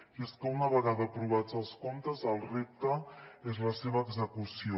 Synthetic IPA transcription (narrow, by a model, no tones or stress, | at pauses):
jeskəunəβ̞əɣaðəːpɾuβ̞ad͡zəlˠskont̪əzəlˠrep̚t̪əezləseβɐːɡzəkusio